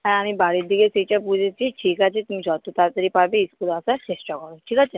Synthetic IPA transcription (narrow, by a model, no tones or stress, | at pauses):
aamĩbaɽid̪iɡesit͡ʃapud͡ʒʱet͡ʃʰiʈʰiːkat͡ʃʰet̪umĩd͡ʒɔt̪ut̪at̪əɾipabiːskulasaʈesʈɔkɔɾoʈʰiːkat͡ʃʰe